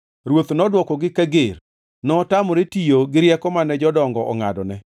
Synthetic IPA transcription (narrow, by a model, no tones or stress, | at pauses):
ɾwot̪nɔdwɔkɔɡɪkaɡer | nɔtamɔɾetijoɡɪɾjɛkɔmanɛd͡ʒɔdɔŋɡɔʔɔ̰ŋadɔnɛ